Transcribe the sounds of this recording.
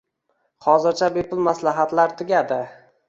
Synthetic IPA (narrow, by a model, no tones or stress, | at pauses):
hɒzɪɾt͡ʃʰabepʊlˠmaslaɦat̪laɾt̪ʰɪɡʲad̪ɪ